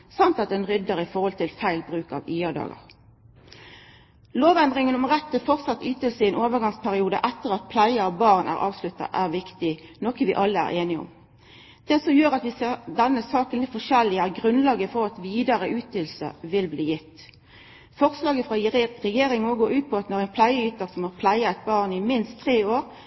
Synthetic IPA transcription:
sɑnt̪ɑt̪̚d̪ɛnʁʏd̪ːəʁɪfɔʁhɔlt̪ʰɪlfæɪlbʁʉːkɑ̰ʋyːɑd̪ɑ̰ːɡə̰ʁ | loːʋɛnd̪ʁɪŋənɔmʁɛt̪ːəfɔʁt̪sɑt̪ːyːt̪əlsəɪɛnʔoːʋəʁɡɑŋspʰæʁɪuːd̪ə̰ʔɛt̪ːəʁɑt̪̚pʰlæɪəɑʋbɑːʁnʔæ̰ːʁʔɑ̰ːʋslʉt̪ːɑ̰ʔæʁʋɪkt̪ɪnɔkəʋɪ̰ʔɑlːəæ̰ʁʔeːnɪɔ̰m | d̪̥ɛsɔmjøːʁɑt̪ʋɪseːd̪ɛnːəsɑːkənlɪt̪fɔʂɛlːɪæʁɡʁʉnlɑːɡəfɔʁɑt̪ʋiːd̪ɑʁəʔʉːt̪ɪlsə̰ʋɪlbliːjɪt̪ː | fɔʁslɑːɡəfʁɑjʁɛjeːɾɪŋnoːɡoːɾʉːt̪̚pʰɔɑt̪nɔʁɛnpʰlæɪəyːt̪əʁsɔmɔʁpʰlæɪɑɛt̪̚bɑːʁnɪmɪnst̪ʰːʁeːoːʁ

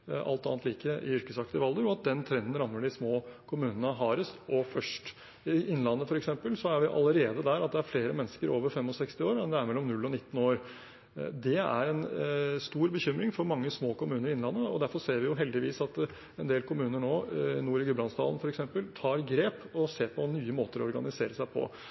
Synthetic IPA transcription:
ɑ̰lt̪ɑːnt̪liːkəʔɪ̰ʏɾkəsɑkt̪ɪəʋɑld̪əɾɔɑt̪̚d̪ɛnt̪ʰɾɛnd̪ən̩ɾɑmːəɖɪsmoːkʰʊmʉːnənəɦɑːɾəsʔɔfœʂʈ | ɪʔɪnːəlɑnːəfɔɾɛksɛmpəlsɔæɾʋɪʔɑ̰ləɾeːd̪əd̪æɾɑt̪̚d̪ɛæɾfleːɾəmɛnːəskəɾoːʋəɾfɛmːɔsɛkst̪ɪoːɾmɛnd̪ɛæɾmɛlːɔmnʉlːɔnɪt̪ːnoːɾ | d̪ɛæ̰ɾɛnst̪uːɾbəçʏmɾɪŋfɔɾmɑŋːəsmoːkʊmʉːnəɾɪɪnlɑnːəɔd̪æɾfɔɾseːɾʋɪjʊɦɛld̪ɪʋiːsɑt̪ | ɛnd̪eːlkʰʊmʉːnəɳoːɪnuːɾɪɡəblɑnsd̪ɑ̰ln̩fɔɾɛksɛmpəlt̪ʰɑːɾɡɾeːpɔseːɾpʰɔnyːəmoːt̪əɾɔɔɾɡɑnɪseːɾəsæɪpʰɔ̰

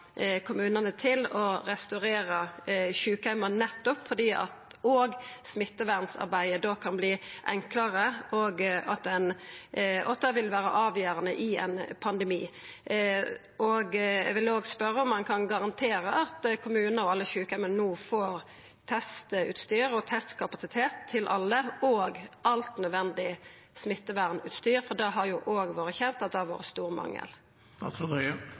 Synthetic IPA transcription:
kʰʊmʉːnənət̪ʰɪlɔɾɛst̪ɑɾeːɾəçʉːkhɛmənɛt̪ːɔpfɔd̪iːʔɑ̰t̪oːɡsmɪt̪ːəʋæʁnsɑ̰ɾbæɪəd̪okʰɑnbliːʔɛŋkləʁəoːɡɑt̪ɛn | ʔɔ̰d̪ɛʋɪlʋæːɾə̰ʔɑːʋjøːɾənə̰ʔɪɛ̰npʰɑnd̪ɛmiː | ʔoɡɛʋɪloːɡspœɾːəɔmːɑnkʰɑnɡɑʁɑnt̪ʰeːɾəʔɑt̪kʰʊmʉːnəɔɑlːəçʉːkɛmənnuːfoːɾ | t̪ʰɛst̪ʉ̰ːt̪st̪yːɾɔt̪ʰɛst̪kʰɑpɑsɪt̪ʰeːt̪ʰːɪlʔɑ̰lːəɔːɡɑlt̪nœd̪ʋɛnd̪ɪ | smɪt̪ːəʋæʁnʉ̰ːt̪st̪yːɾfɔd̪ɛɦɑɾjʊʔoːɡʋoːɾəçɛnt̪ɑt̪̚d̪ɛʋo̰ːɾəst̪uːɾmɑ̰ŋːə̰l | st̪ɑ̰sɔd̪ɛ

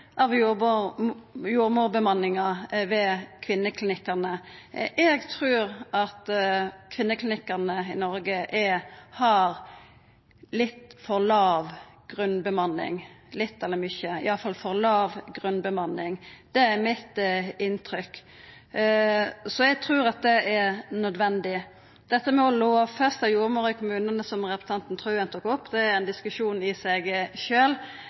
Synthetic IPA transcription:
ʔɑʋjub | juːɾmuːɾbəmɑnːɪŋɑʋɛkʰʋɪnːəkʰlɪnɪkːɑʁnəʔɛɡt̪ʰɾʉːɾʔɑt̪kʰʋɪnːəkʰlɪnɪkːɑʁnəɪnɔɾɡəʔɛhɑɾ | lɪt̪ːfɔɾlɑːʋɡ̥ʁʉnbəmɑnːɪ̰ŋlɪt̪ːɛlːəmʏçəɪ̰ɑlːəfɑlfɔʁlɑːʋɡʁʉnbəmɑnːɪŋd̪̥ɛæɾmɪt̪ɪnt̪ʰɾʏk | sɔɛɡ̚t̪ʰɾʉːɾɑt̪̚d̪ɛʔɛɾnœd̪ʋɛnd̪ɪ | d̪̥ɛt̪ːəmɛɔloːfœst̪ɑjuːɾəmoːɾɪkʰʊmʉːnənəsɔmʁɛpɾə̥sɑnt̪n̩t̪ʰʁʉːənt̪ʰʊkːɔpːd̪ɛæɾɛnd̪ɪskʉʂuːnɪsæɪɡʃøːl

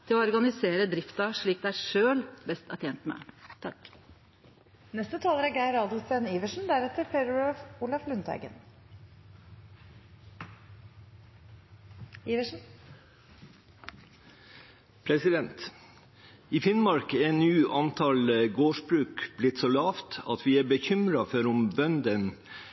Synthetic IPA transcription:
t̪ʰɪloːɔɾɡɑnɪseːɾəd̪ɾɪft̪ɑʂɭiːk̚d̪ɛæːʂøːlbɛst̪ɑt̪ʰɛːnt̪mɛ̰t̪ʰɑk | nɛst̪ət̪ʰɑːləɾæɡæɪɾɑːd̪səniːʋəʂɳ̩n̩d̪æɾɛt̪əɾpʰeɾfuːlɑflʉnt̪ʰæ̰ɡə̰n | iːʋəʂn̩ | pʰɾɛsɪd̪ɛnt̪ | iːfɪnmɑɾkennyːʔɑnt̪ʰɑlɡoːʂbɾʉːkblɪt̪soːlɑːft̪ɑ̰t̪ʰʋiːæːbəçʏmɾɑfɔɾʊmbœnd̪ən

